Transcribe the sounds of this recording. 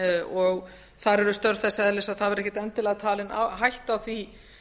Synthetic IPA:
ɔɣ | θaɾɛɾʏst̪œɾθɛsɛðlɛsaðθaðvɛɾɛhcɪt̪ɛnt̪ɪlaɣt̪ʰaːlɪna̰ɦajht̪awθvi

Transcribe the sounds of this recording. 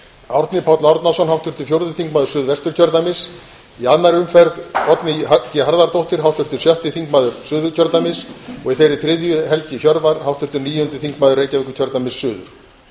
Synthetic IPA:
awɾt̪nɪpʰawt̪lawɾt̪nasɔnɦaft̪ʏrt̪ʏ̥fjowɾðʏθiŋkmaːðʏɾ̥sʏːðvɛst̪ʏɾ̥cʰœɾt̪amɪs | ianːaɾʏmfɛɾðɔt̪nɪacɪɦaɾðaɾt̪owht̪ɪɾ̥hawt̪ʏr̥t̪ʏɾ̥sjœht̪ɪθiŋkmaːðʏɾ̥sʏːðʏɾcʰœɾt̪amɪsɔɣiθejɾɪθɾɪðjʏɦɛlcɪçjɔɾvaɾ̥hawft̪ʰʏr̥t̪ʏɾniːjʏʏnt̪ʏ̥θiŋkmaːðʏɾreːjcavɪkʏ̥cʰœɾt̪amɪsːʏːðʏ̰ɾ̥

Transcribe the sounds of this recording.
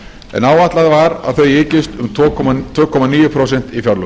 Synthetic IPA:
ɛ̰naːwaht̪laðvaɾa̰ðθœɥɪːcɪst̪ʏmt̪ʰvɔːkʰɔt̪ʰvœːkʰɔmaniːjʏpʰɾowsɛn̥t̪ifjawɾlʏ

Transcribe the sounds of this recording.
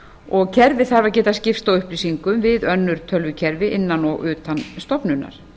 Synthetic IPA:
ɔɣcʰɛɾvɪθaɾvaɾcɛːt̪ascɪfst̪awʏhplisiŋkʏmvɪðœnːʏɾ̥t̪ʰœlvʏcʰɛɾvɪʔɪnːanɔɣʏːt̪anst̪ɔpnʏnːa̰ɾ̥

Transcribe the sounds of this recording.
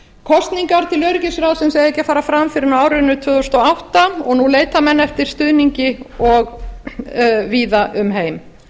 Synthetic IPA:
kʰɔst̪niŋkaɾ̥t̪ʰɪlœːɾʏcɪsɾawsɛmsejɛhcːafaːɾafɾamfɪɾɪɾnaːwɾʏnʏt̪ʰʏːðost̪ɔawht̪aɔɣnuleːjt̪amɛnːɛft̪ɪɾ̥st̪ʏðniɲcɪɔɣ | viːðaʔʏmɦeːjm

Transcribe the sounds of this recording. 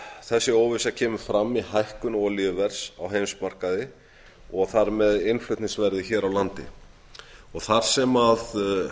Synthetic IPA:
θɛsːɪoːwvɪsacʰɛːmʏɾfɾamːihajhkʏnɔɣlɪːvɛɾ̥sa̰wɦeːjmsmar̥kaðɪ | ɔɣθaɾmɛðɪnflʏt̪nɪŋsvɛɾðɪçɛːɾawlant̪ɪ | ɔɣθaɾ̥sɛmað

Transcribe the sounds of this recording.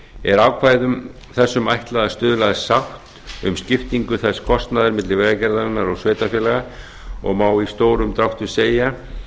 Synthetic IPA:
ɛɾaːwkʰvaːjðʏm | θɛsːʏmajht̪laðast̪ʏːðʏlaðsaht̪ | ʏ̰mscɪft̪iŋkʏθɛskʰɔst̪naðɪɾmɪt̪lɪvɛːɣacɛɾðaɾɪnːaɾɔɣsveːjt̪afjɛlaɣa | ɔ̰ɣmaːwist̪oːwɾʏmt̪ɾawht̪ʏseːja

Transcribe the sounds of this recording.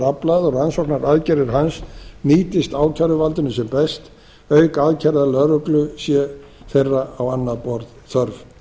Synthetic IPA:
ɾaplaðɔɣansɔknaɾaðcɛɾɪɾɦansniːt̪ɪst̪aːwcʰaɾʏvalt̪ʏnʏsɛmpɛst̪ | œːɥkaðcʰɛɾðalœɾʏklʏsjɛ | θejrːaawanːaðpɔɾðθʰœɾv

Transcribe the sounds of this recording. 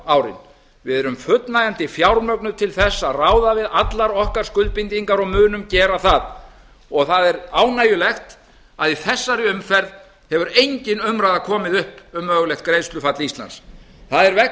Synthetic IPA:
aːwɾɪ̰n | vɪðɛɾʏmfʏt̪najant̪ɪfjawɾmœknʏt̪ʰɪlθɛsːaðraːwðavɪðat̪laɾɔhkaɾ̥skʏlt̪̚pint̪iŋkaɾɔɣmʏːnʏmcɛːɾaθað | ɔɣθaðɛɾaːwnaːjʏlɛxt̪ | aðiθɛsːaɾɪʏmfɛɾð | hɛvʏɾejɲcɪnʏmɾajðakʰɔːmɪðʏhpʏmːœːɣlɛxt̪̚kɾejst̪lʏfat̪list̪la̰ns | θaðɛɾvɛ

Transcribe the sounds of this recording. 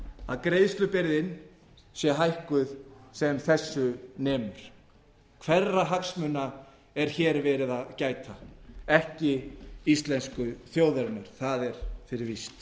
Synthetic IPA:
aðkɾejðst̪lʏpɪɾðɪn | sjɛɦajhkʏðsɛmθɛsːʏnɛːmʏɾ̥ | kʰvɛrːaɦaksmʏnːa | ɛɾ̥çɛːɾvɛːɾɪðaðcaːjt̪ʰaɛhcɪist̪lɛnskʏθjoːwðɛɾnaɾ̥θaðɛɾ̥fɪɾɪɾvist̪

